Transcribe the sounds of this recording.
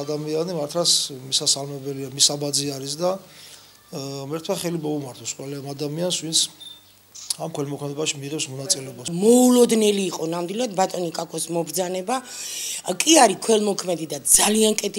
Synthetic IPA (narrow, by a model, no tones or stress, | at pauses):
ad̪amianimaɾt̪ʰlasmisasalmɛbɛliamisabad̪ziaɾisd̪a | mɛɾt̪ʰwaχɛlimɔumaɾt̪ʰɔsqʼwɛlɛamad̪amiansvint̪sʰ | amkʰwɛlmɔkʰmɛd̪ɛbaʃimiʁɛpsmɔnat̪sʼilɛɔbamɔulɔd̪nɛliːqʼɔnamd̪wilˠad̪̚bat̪ʼɔnikʼakʰʼɔsmɔbɾd̪zanɛba | kʼiaɾikʰwɛlmɔkʰmɛd̪id̪ad̪zaliankʼɛt̪ʰ